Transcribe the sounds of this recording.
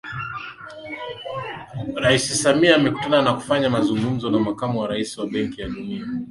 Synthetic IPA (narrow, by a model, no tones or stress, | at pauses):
ɾaisisamiaːmɛku̥tananaku̥faɲamazuŋɡum̩zɔnamakamuwaɾaisiwaɓɛŋkijaɗunia